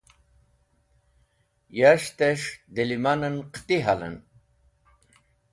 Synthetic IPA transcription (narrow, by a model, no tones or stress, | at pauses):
jaʃt̪eʂd̪elimanənqt̪iɦalə̰n